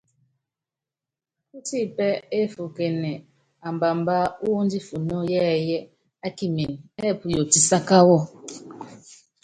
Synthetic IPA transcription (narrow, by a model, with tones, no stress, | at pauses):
ku˦ti˦˨pɛ˦e˦fu˨ke˨nɛ˨ | a˨mba˨m˦ba˦u˦n˦di˦fu˨no˦jɛ˦˨jɛ˦ | a˦ki˦me˨nɛ˦˨pu˨jo˨ti˨sa˦ka˦wɔ˦